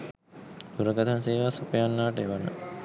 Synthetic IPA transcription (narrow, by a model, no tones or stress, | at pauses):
t̪uɾəɡat̪anseːʋasopəjanːaːʈəeʋanə̰